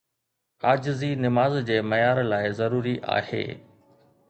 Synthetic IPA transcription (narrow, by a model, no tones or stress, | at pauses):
aːd͡ʑzinɪmaːzd͡ʑeːmɐjaːɾlaːɪzɐɾuːɾiʔa̰ːhḛː